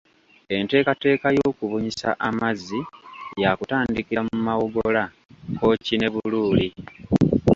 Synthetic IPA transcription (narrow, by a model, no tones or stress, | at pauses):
e̞nte̞ːkate̞ːkajo̞ːkuβuɲisa̰ʔamazːijakutaːndikiɾamumawoɡola | ko̞cine̞βuluːli